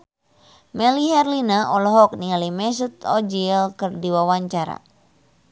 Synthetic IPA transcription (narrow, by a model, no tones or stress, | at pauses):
mɛliɦɛrlinaɔlɔɦɔk̚nialimɛs̬ut̪̚ɔd͡ʒiɛlkɨrdiwawaɲt͡ʃaɾa̰